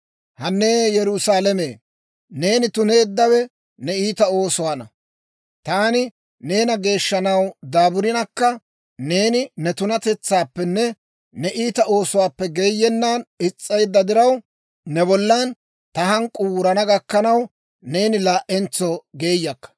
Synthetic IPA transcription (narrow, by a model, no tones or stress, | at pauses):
hɐnːeːjɛɾʊsaːlɛmeː | ne̞ːnɪt̪ʊne̞ːd̪ːɐwɛ | nɛiːt̪ɐo̞ːsʊwaːnɐ | t̪aːnɪ | ne̞ːnɐɡe̞ːʃːɐnɐwd̪aːbʊɾɪnɐkːɐ | ne̞ːnɪnɛt̪ʊnɐt̪ɛt͡sːaːpːɛnːɛ | nɛʔiːt̪ɐʔo̞ːsʊwaːpːɛɡe̞ːjːɛnːaːnɪt͡sʼːɐjd̪ːɐd̪ɪɾɐw | nɛbɔlːɐn | t̪ɐhɐŋkʼːʊwʊɾɐnɐɡɐkːɐnɐw | ne̞ːnɪlaːʔɛnt͡sːɔɡe̞ːjːɐkːɐ̥